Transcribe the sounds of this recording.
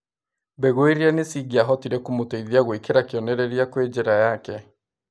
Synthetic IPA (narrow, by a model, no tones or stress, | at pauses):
bɛɣoeɾianesiːɣiaɦɔtiɾɛkumotaiðiaɣwikeɾakiɔnɛɾɛɾiakwed͡ʒeɾajakɛ